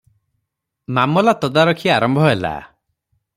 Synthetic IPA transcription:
mamɔlat̪ɔd̪aɾɔkʰiaɾɔmbʱɔɦela̰

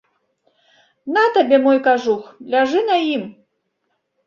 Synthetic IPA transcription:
nat̪abʲɛmɔjkaʐuxlʲaʐɨnɐjim

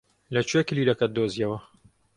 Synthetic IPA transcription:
lɐt͡ʃʰwekliːlɐkɐt̪̚d̪ozijɐwɐ

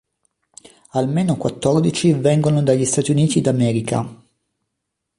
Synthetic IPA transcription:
almeːnokwat̪ːɔrd̪it͡ʃivɛŋɡonod̪aʎːist̪aːt̪juniːt̪id̪amɛːɾika̰

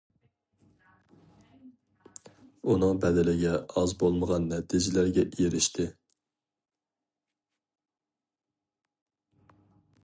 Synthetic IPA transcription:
unɨŋbɛd̪ɪlɪɡʲɛɑzbolˠməʁɑnːɛt̪ʰid͡ʒɪlæɾɡʲɛʔijeɾɪʃt̪ʰɪ

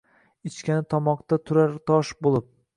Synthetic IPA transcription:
ɪt͡ʃkʲanɪt̪ʰɒmɒqt̪at̪ʰʊɾaɾt̪ʰɒʃbolˠɪp̚

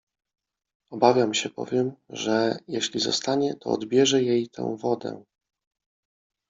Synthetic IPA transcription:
ɔbavʲjamɕɛbɔ̰vʲjɛmʐɛjeɕlʲizɔ̰st̪aɲɛt̪ɔ̰ːd̪bʲjɛʐɛjejt̪ʰɛ̰̃w̃vɔd̪ɛ̰

